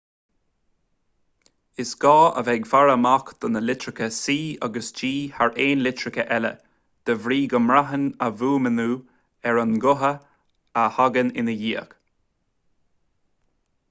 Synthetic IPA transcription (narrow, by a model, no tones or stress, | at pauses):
ɪsɡ̥ɑːʔə̰vɛɡfaɹəmakd̪̥ɔnəlɪtɹɪkəsiːaɡəsd͡ʒiːhaɹʔeːnlɪtɹɪkəʔɛlə̰ | d̪̥əvɾiːɡəmɹaɦənəvuːmənuː | ɛɹənɡʊɦəː | haɡənɪnəjiːək